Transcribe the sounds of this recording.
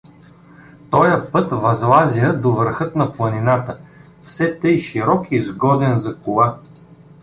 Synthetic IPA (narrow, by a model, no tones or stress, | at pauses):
t̪ɔjəpɤt̪vɐzlˠazʲiəd̪ovəɾxɤt̪nɐplˠɐninat̪ə | fsɛt̪ɤjʃiɾɔkizɡɔd̪ɛnzɐkʊlˠa